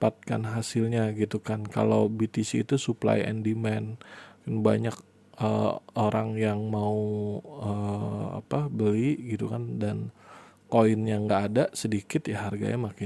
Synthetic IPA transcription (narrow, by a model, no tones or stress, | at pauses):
pat̪̚kanɦasɪlɲaɡit̪ukanka̰lowbit̪isiːt̪usupla̰jɛ̰ndimɛnnba̰ɲak̚ | ʔə̰oɾaŋjaŋmauəa̰pabəliɡit̪ukandan | koɪnjaŋɡaːdasədikɪt̪jaɦarɡa̰ɲamakɪ